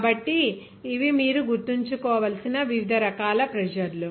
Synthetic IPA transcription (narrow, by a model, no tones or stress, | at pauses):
bɐʈːiː | ʋimiːɾuɡuɾt̪iɲt͡ʃukɔːʋɐlɐsinɐʋiʋid̪ʱɐɾɐkaːlɐpɾɛd͡ʒɐɾlu